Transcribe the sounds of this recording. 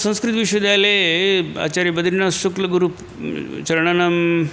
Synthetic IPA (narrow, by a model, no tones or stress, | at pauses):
sɐ̃ñskɾit̪ʋiʃʋɐd̪jalea̰ːt͡ɕaɾjɐbɐd̪ɾinasuklɐɡuɾup | t͡ʃɐɾɐɳɐnɐm